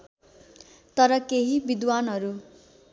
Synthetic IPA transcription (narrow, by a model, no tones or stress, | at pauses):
t̪ʌɾʌkeɦibid̪wanɦʌɾu